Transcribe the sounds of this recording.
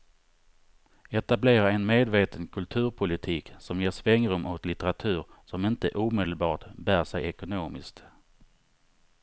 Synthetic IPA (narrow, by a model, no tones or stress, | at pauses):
ɛt̪ableːɾaɛnmeːd̪veːt̪ʰənkʰɵlt̪ʰʉ̟ːɾpʰʊlɪt̪ʰiːksɔmjeːʂvɛŋɾɵmːʔɔt̪lɪt̪ɛɾat̪ʰʉ̟ːɾsɔmɪnt̪ə̰ʔuːmeːd̪əlbɑːʈbæːɾʂɛjɛkʊnoːmɪ̰skt̪